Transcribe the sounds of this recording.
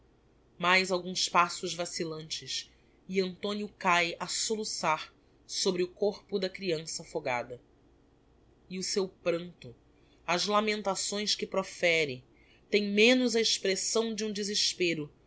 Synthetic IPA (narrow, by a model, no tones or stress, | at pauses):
majzawɡũspasʊʒvasilɐ̃nt͡ʃɪs | iɐ̃nt̪õnjʊkajasolusaɾ | sobɾɪʊkoχpʊd̪ɐkɾiɐ̃sɐfoɡa̰d̪ɐ | iʊsewpɾɐ̃nt̪ʊ | ɐzlamẽnt̪asõj̃skɪpɾofɛɾɪ | t̪ẽj̃mẽnʊzɐeʃpɾesɐ̃w̃d͡ʒɪũd͡ʒɪzɪʃpeɾʊ